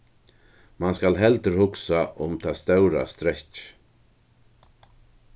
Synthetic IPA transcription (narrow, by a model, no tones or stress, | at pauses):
manskalɦɛlt̪əɾ̥hʊksaʔʊmt̪ʰast̪œwɾa̰st̪ɾɛht͡ʃ